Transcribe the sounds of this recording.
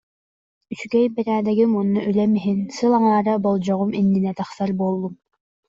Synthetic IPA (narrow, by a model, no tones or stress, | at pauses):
yskɛjbɛɾæːd̪ɛɡimunːuʔylɛmiɦinsɯlˠɑŋɑːɾabɔlˠd͡ʑɔʁuminːinɛt̪ɑχsɑɾbolˠːum